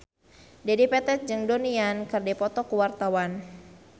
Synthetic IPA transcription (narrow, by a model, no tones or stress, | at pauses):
dɛdipɛt̪ɛt̪̚d͡ʒɨŋdoniankərdɛpɔt̪ɔkuwart̪awan